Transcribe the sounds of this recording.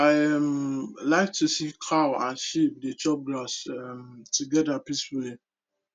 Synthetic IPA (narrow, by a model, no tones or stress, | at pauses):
aɪmlaɪk̚tusikʰaʊãnʃipdet͡ʃɔp̚ɡlasɛmtuɡɛdapisfuli